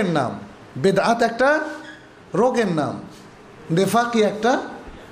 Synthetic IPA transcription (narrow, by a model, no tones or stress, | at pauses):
enːa̰m | bed̪aat̪ɛk̚ʈa | ɾoɡenːa̰m | d̪efʰakiɛk̚ʈa